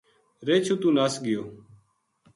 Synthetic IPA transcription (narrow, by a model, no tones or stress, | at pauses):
ɾeːt͡ʃʰuːt̪ũːnaːsɡɪjoː